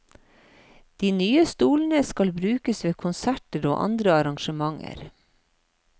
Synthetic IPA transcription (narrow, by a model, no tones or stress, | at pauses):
d̪̥iːnyːəst̪uːlnəskɑlbɾʉːkəsʋeːkʰʊnsæʈəɾo̰ːʔɑ̰nd̪ɾəɑɾɑŋʃəmɑŋə̰ɾ